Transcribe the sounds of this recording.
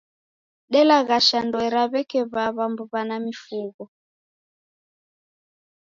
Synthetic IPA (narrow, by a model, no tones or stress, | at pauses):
ɗɛlaɣaʃandɔɛɾaβɛkɛβaβambuβanamifuɣɔ